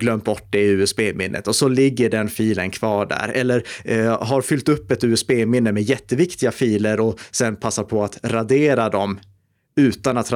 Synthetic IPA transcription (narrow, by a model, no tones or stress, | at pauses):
ɡlœmt̪̚bɔʈ̚ːd̪ɛɪʉ̟ːɛsbeːmɪnːʔə̰t̪ɔsɔlɪɡːəɖɛnfiːlənkʰvɑːɖæ̰ɾɛlːəɾɦaɾfʏlt̪ɵpːɛt̪ʉːɛsbeːmɪnːəmɛjɛt̪ːəvɪkt̪ɪɡafiːləɾɔsɛnpʰasːaɾpʰɔat̪ɾad̪eːɾad̪ɔm | ʉ̟ːt̪anat̪ɾa